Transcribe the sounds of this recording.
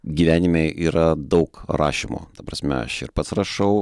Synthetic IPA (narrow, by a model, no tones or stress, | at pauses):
ɡʲiʋʲæːnʲɪmʲeɪʔiːɾɐd̪ɐʊkrɑ̰ːʃʲimo̰ːt̪ɐpɾɐsʲmʲɛ̰ɐ̰ʃɪ̰ɾpɐt̪srɐʃɐʊ